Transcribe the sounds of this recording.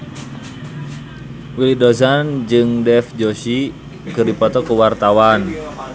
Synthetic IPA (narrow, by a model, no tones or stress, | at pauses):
wilidɔzand͡ʒɨŋdɛfd͡ʒɔsi | kɨrdipɔt̪ɔkuwart̪awan